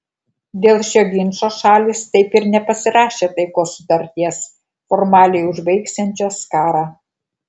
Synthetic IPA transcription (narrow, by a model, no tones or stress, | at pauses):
d̪ʲeːlˠʃʲoːɡʲɪnʲʃoːʃɑːlʲɪst̪ɐɪpɪɾnʲɛpɐsʲɪɾɑːʃʲeːt̪ɐɪkoːsʊt̪ɐɾʲt̪ʲiɛs | fɔɾmɑːlʲɛɪʊʒbɐɪksʲɛnʲt͡ʃʲoːskɑːɾɑː